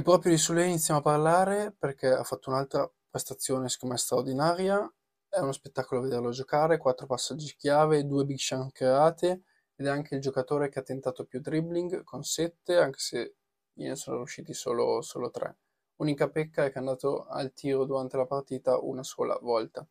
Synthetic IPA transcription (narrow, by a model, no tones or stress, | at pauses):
epːɾɔːpɾjod̪isulɛinit̪sːjamoaparlaːɾeperk̟ɛa̰fːat̪ːounalt̪ɾapɾest̪at̪sːjoːneskomɛst̪ɾard̪inaːɾja | ɛunospet̪ːaːkoloaved̪erload͡ʒokaːɾekwat̪ːɾopasːad͡ʒːikjaːved̪uːebikʃaŋkɾeaːt̪eː | d̪ɛaŋk̟eild͡ʒokat̪oːɾekeat̪ːent̪aːt̪opjut̪ɾibliŋɡkʰonsɛt̪ːeaŋk̟e̥se | jḛnesoːno̰ɾjuʃːiːt̪iso̰ːloso̰ːlot̪ɾɛ̰ | uːnikapɛkːaɛkand̪aːt̪oa̰lt̪ʰiːɾod̪uɾant̪elapart̪iːt̪aʔṵnaso̰ːla̰vɔlt̪a